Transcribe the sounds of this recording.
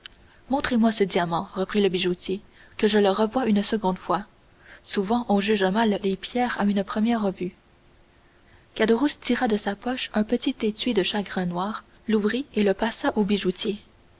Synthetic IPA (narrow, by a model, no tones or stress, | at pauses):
mɔ̃t̪χemwasəd̪iamɑ̃ʁəpχiləbiʒut̪ʲje | kəʒələʁəvwaynsəɡɔ̃d̪fwa | suvɑ̃ʔɔ̃ʒyʒãmalːepʰjɛːʁaynpχəmjɛːʁːəvy | kad̪əʁust̪ʰiʁad̪əsapɔʃɛ̃pət̪it̪et̪ɥid̪əʃaɡʁɛ̃nwaːʁ | luvʁieləpasaʔobiʒut̪je